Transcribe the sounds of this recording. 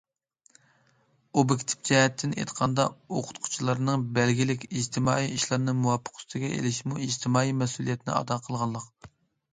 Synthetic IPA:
obɪkʲt̪ʰɪ̥p̚d͡ʒɑhɛt̪ʰːɪnḛt̪qʰɑnd̪ɑoqʰʊ̥t̪qʰʊ̥t͡ʃʰilˠɑɾnɨŋbɛlɡʲilɪkʲid͡ʒt̪ʰɪmɑ̰ːiiʃlˠɑɾnɨmuwɑpʰːə̥qʰst̪ʰɪɡʲɛʔḛlɪʃmuid͡ʒt̪ʰɪmɑːimɛsulˠijɛt̪ʰɪnɪ̰ɑ̰d̪ɑqʰəlˠʁɑnˠlˠəq

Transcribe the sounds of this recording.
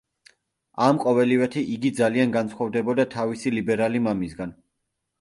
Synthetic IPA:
amqʼɔvɛlivɛt̪ʰiʔiɡid̪zalianɡansʰχwɔvd̪ɛbɔd̪at̪ʰavisilibɛɾalimamisɡan

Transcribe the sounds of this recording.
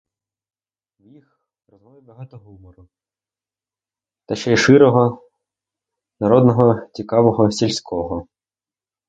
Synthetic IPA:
wjix | ɾɔzɦɔibɐɦɑt̪ɔɦumɔɾʊ | t̪ɐʃɛʃɪɾɔɦɔ | nɐɾɔd̪nɔɦɔt͡sʲikɑʋɔɦɔsʲilʲsʲkʰɔɦɔ

